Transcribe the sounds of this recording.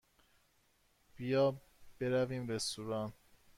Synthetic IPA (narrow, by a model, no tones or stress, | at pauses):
b̥ijɒː | b̥e̞ɾæviːmɾest̪uːɾɒːn